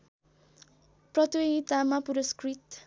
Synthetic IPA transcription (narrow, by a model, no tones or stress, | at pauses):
prʌt̪wiit̪amapuɾʌskrit̪